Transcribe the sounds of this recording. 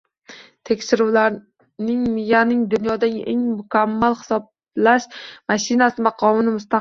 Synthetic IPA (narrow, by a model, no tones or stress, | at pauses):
t̪ʰekʲʃɪɾuwlaɾ | nɪŋmɪjanɪŋd̪ʊnjɒd̪aŋḛŋmʊkʲʰamːalˠχɪ̥sɒb̚ | laʃmaʃɪnasɪmaqʰɒmɪnɪmʊst̪a